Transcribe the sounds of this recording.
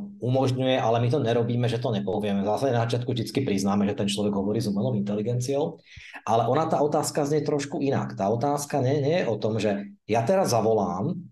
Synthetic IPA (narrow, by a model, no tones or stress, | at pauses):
umɔʒɲujɛʔalɛmit̪̬ɔɲɛɾɔbiːmɛʒɛt̪ɔɲɛpɔʋɪɛmɛvzaːsaɟɛnazat͡ʃɪat̪kuvʒd̪it͡skipɾiznaːmɛʒɛt̪ɛnt͡ʃlɔʋɛɡɦɔʋɔɾiːzumɛlɔʊint̪ɛliɡɛnt͡siɔʊ | ʔalɛʔɔnat̪aːɔt̪aːskazɲɛt̪ɾɔʃkuina̰kt̪aːɔt̪aːskaɲɛɲɛjɛʔɔt̪ɔmʒɛjat̪ɛɾazːaʋɔlaːm